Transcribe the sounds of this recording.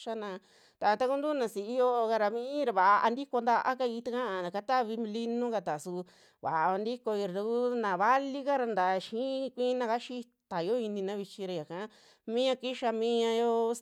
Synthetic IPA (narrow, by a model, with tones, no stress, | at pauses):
ʃa˦nã˧ | t̪a˨˧t̪a˦ku˦nd̪u˦nã˧si˨i˦jo˦˧ka˧ɾa˧mĩ˦ɾa˧βa˨ʔʔa˧nd̪i˦ko˧nd̪a˧ʔa̰˦ka˧i˧t̪a˦˧kã˦a˧˨a˨ka˦t̪a˦˧βĩ˧li˦nũ˦ka˧t̪a˨su˧ | βa̰˨a˧a˧nd̪i˦ko˧i˧ɾt̪u˧ku˦nã˨βa˦li˦ka˦ɾa˧nd̪a˨˧ʃĩ˦kʷĩ˦nã˧ka˦ʃi˦t̪a˨jo˦i˧nĩ˧nã˦βi˧t͡ʃi˧ɾa˧˨ja˨ka˦ | mĩ˦ɲã˧ki˦ʃa˧mĩ˦ɲã˧jo˦